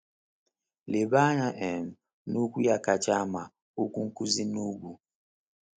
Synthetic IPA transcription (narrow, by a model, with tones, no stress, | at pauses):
le˨ɓa˦na˨ʔɛ˨n˨ | nu˦ku˦ja˨ka˨t͡ʃa˦ma˨ | u˦ku˦ŋ̩˦ku˦zi˦nu˦ɡu˨